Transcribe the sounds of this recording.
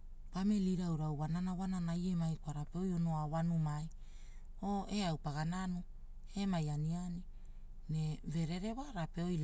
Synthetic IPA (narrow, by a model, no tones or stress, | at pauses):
pame̞liɾawɾawwananawananaje̞majkoaɾapeo̞jo̞no̞awanumaj | o̞e̞awpaɡananu | e̞majaniani | ne̞ve̞ɾe̞ɾe̞waɾape̞o̞jl